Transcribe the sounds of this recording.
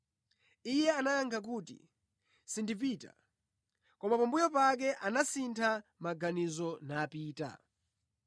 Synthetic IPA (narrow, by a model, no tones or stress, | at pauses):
ijɛanajaŋkʰak̬uːtḭ | sindip̬ita̰ | kɔmapambujɔpak̬ɛʔanasintʰamaɡanizɔnaːpiːta̰